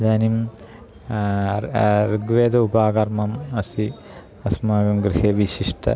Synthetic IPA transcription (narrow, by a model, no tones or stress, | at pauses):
d̪aːnim | riɡʋeːd̪ɐubaːɡɐrmɐmɐsi | ɐsmaːʋɐmɡɾiheʋiʃiʂʈʰɐ̰